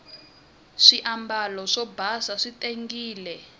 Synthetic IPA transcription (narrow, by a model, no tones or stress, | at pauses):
ʂiʔambalɔʂɔbʱasaʂitʼeŋɡiːlɛ